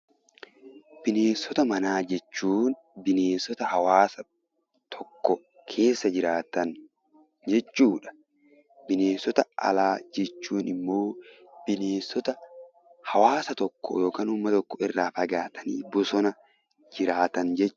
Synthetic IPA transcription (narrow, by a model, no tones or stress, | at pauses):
b̥ɪne̞ːnsːɔt̪ɐmɐnaːd͡ʒɛt͡ʃːuːn | bɪneːnsɔt̪ɐhɐwaːsɐ | t̪ʰɔkːɔ | kʰe̞ːsːɐd͡ʒɪɾaːt̪ɐn | d͡ʒɛt͡ʃːuːᶑɐ̥ | bɪneːnsɔt̪ɐɐ̰laːd͡ʒɛt͡ʃːuːnɪmːo̞ː | b̥ɪneːnsɔt̪ɐ | hɐwaːsɐt̪ɔkːɔ̰joːkaːnʊmːɐt̪ɔkːɔɪrːaːfɐɡaːt̪ʰɐnḭːbʊsɔnɐ | d͡ʒɪɾaːt̪ɐnd͡ʒɛt͡ʃː